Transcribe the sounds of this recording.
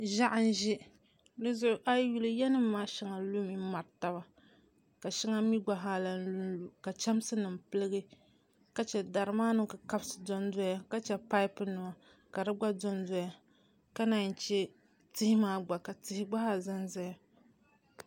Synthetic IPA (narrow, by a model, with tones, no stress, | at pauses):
ʒa˦ʔa˦n˦ʒi˦ | dɨ˦zʊ˦ʔʊ˦ʔa˦ju˦lɨ˦jɛ˦nɨ˦mː˦aː˦ʃi˨ŋa˨lu˦mi˦ma˨ɾta˦ba˨ | ka˨ʃi˦ŋa˦mi˦ɡ͡ba˨ɦa˦la˨nu˦u˨ka˨t͡ʃa˦m˦sɨ˦nɨ˨mpɨ˦lɨ˦ɡɨ˦ | ka˨t͡ʃɛ˨da˨ɾɨ˨maː˦nɨ˦ka˨ka˦bsɨ̥˨dɔ˦n˦dɔ˦ja˦ka˦t͡ʃɛ˨pa˦jpɨ˦nɨ˨ma˨ | ka˨dɨ˦ɡ͡ba˦dɔ˦ndɔ˦ja˦ | ka˦na˨n˨t͡ʃɛ˦ | tɪ˦hɪ˦maː˦ɡ͡ba˨ka˨tɪ˦hɪ˦ɡ͡ba˦ha˦˨za˦nza˦ja˦